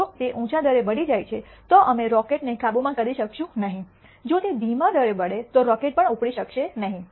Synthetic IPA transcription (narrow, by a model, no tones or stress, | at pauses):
ot̪eʔũt͡ʃad̪əɾebəɽid͡ʒajt͡ʃʰe | t̪oʔəmeɾɔkeʈnekabumãkəɾiʃəkʃũnəɦĩ | d͡ʒot̪ed̪imad̪əɾebəɽet̪oɾɔkeʈ̚pəɳupɽiʃəkʃenəɦĩ